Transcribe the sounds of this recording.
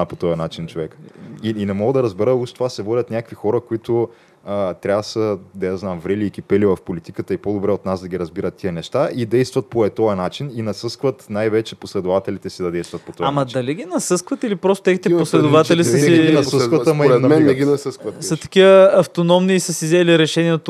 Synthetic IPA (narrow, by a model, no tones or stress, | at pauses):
pot̪ɔjɐnat͡ʃint͡ʃovɛkə̥iinɛmɔɡəd̪ɐɾəzbɛɾəuʃt̪t̪ovasɛvɔlʲɐt̪nʲakvixɔɾəkoit̪ʊ | ət̪ɾʲavəsəd̪ɐjaznamvɾɛliːkipɛlivɐfpolit̪ikət̪əipod̪obɾɛot̪nazd̪ɐɡʲiɾɐzbiɾət̪ːiənɛʃt̪aʔid̪ɛjst̪vɐt̪̚poɛt̪ɔjɐnat͡ʃininɐsɤskvət̪najvɛt͡ʃɛposlɛd̪ovat̪ɛlit̪ɛsid̪ɐd̪ɛjst̪vɐt̪pot̪ɔvaamɐd̪ɐliɡinɐsɤskvɐt̪ilipɾɔst̪o̥t̪ɛɣit̪ɛpposlɛd̪ovat̪ɛlisiinɐsəskvɐəmɐiɾɛnmɛɛɡʲinɐsəskvɐt̪sɐt̪ɐ̥kiəɐft̪onɔmniːsəsizɛliɾɛʃɛniɛt̪